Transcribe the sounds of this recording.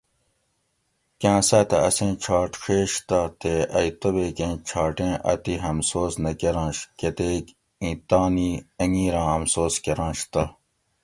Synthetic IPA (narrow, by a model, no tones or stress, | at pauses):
kãːsɐt̪ɐɐsẽːt͡ɕʰaːʈʂeːɕt̪ɐt̪eɐjt̪obeːkẽːt͡ɕʰaːʈẽːʔɐ̰t̪iɦɐmsoːsnɐkeɾãːnɕket̪eːk | ĩːt̪aːniːɐŋiːɾãːɐmsoːskeɾãːɕt̪ɐ